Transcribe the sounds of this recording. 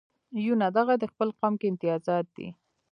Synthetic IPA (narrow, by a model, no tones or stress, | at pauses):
junad̪aɣad̪əxpəlqɑmkeɪnt̪ɪjɑzɑt̪̚d̪ḭ